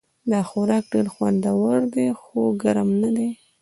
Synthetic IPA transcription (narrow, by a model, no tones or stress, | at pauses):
d̪ɑxoɾɑk̚ɖeɾxwand̪awaɾd̪exoɡaɾamnad̪e